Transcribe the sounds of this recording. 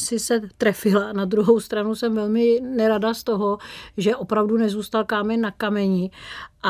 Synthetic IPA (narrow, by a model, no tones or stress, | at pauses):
sɪsɛt̪ɾɛfɪlanad̪ɾuɦowst̪ɾanusɛmvɛlmɪnɛɾadast̪o̞ɦoʒɛʔopɾavdunɛzuːst̪alkaːmɛnːakamɛɲɪʔa